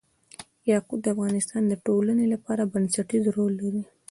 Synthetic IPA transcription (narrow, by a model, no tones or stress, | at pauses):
jɑqub̪̚d̪əafɣɑnɪst̪ɑnd̪əʈolanelapɑɾabansaʈizɾolːaɾi